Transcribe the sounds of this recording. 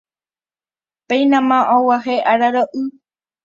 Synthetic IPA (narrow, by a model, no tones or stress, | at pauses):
pẽjnãmãʔowaɦeʔaɾaɾoʔɨ